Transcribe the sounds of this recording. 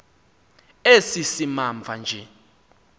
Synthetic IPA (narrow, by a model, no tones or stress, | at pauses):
esisimaɱvʱand͡ʒʱɛ